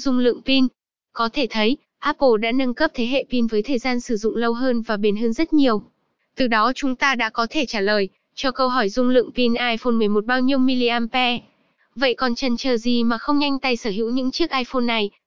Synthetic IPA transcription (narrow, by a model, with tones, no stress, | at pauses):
zʊ˧ŋ͡mlɨ̰˧˨ŋpi˧n | kɔ˨˦t̪ʰe˧˩t̪ʰə˨˦j | ʔaː˦˥po˧˩ɗa̰ː˧˥nə˧ŋkə˦˥p̚t̪ʰe˨˦ɦḛ˧˨pi˧nvəː˨˦jt̪ʰəː˨˩jzaː˧nsɨ˧˩zʊ̰˧˨ŋ͡mlə˧wɦəː˧nvaː˨˩ɓi˧˩nɦə˨˧nzə˦˥t̚ɲi˨˩əw | t̪ɨ˨˩ɗɔ˨˦t͡ɕʊ˨˦ŋ͡mt̪aː˧ɗa̰ː˧˥kɔ˨˦t̪ʰe˧˩t͡ɕaː˧˩ləː˨˩j | t͡ɕɔ˧kə˧wɦɔ˧˩jzʊ˧ŋ͡mlɨ̰˧˨əŋpi˧nʔaː˧jfo˧nmɨ˨˩əjmo˨˩t̚ɓaː˧wɲi˧əwmi˧li˧ʔaː˧mpɛ˧ | və̰˧˨jkɔ˨˩nt͡ɕə˨˩nt͡ɕəː˨˩zi˨˩maː˨˩xə˧wŋ͡mɲa˧jŋ̟t̪a˧jsəː˧˩hḭ˧˥wɲɨ̰˧˥ŋt͡ɕi˦˥ək̚ʔaː˧jfo˧nːa˨˩j